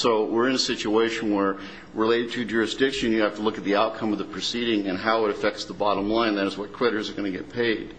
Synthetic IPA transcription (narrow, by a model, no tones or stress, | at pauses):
soʊwɪɹɨ̃nɨsɪt͡ʃueɪʃɨ̃n̩wə˞ | ɹɪleɪɾɨd̚tʰɨd͡ʒʊɹɨsd̥ɪkʃɨ̃njɨhæftəlʊkɨt̪̚ðiaʊt̚kʰʌ̃mʌvðəpʰɹ̥ɨsiɾɪ̃ŋɨ̃nɦaʊəɾɨfɛk̚tsðəbɑɾə̃mlãɪ̃nðæɾɨzwʌt̚kʰw̥ɪɾə˞zə˞ɡʌñɨɡɛ̰t̚pʰeɪd̥